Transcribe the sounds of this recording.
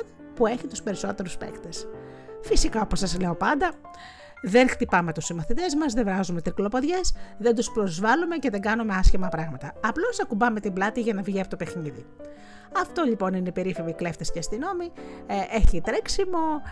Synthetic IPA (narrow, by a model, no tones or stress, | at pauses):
pue̞çit̪u̥spe̞ɾiso̞t̪e̞ɾuspḛkt̪es | fisikɐo̞po̞sɐzle̞o̞pɐnd̪ɐ | ðe̞nxt̪ipɐme̞t̪usimɐθit̪e̞zmɐzðevɾɐzumet̪ɾiklo̞po̞ðʝe̞sðe̞nd̪uspɾo̞zvɐlume̞ceðeɡɐnume̞ɐsçimɐpɾɐɣmɐt̪ɐːplo̞sɐkubɐme̞t̪iblɐt̪iʝɐnɐvʝiɐpot̪ope̞xniði | ɐft̪o̞lʎipo̞ninepe̞ɾifevikle̞ft̪escest̪ino̞miʔe̞çit̪ɾeksimo̞